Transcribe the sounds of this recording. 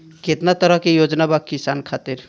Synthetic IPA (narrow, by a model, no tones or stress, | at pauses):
ket̪nat̪əɾəɦkejod͡ʒnabakkisankʰat̪iɾ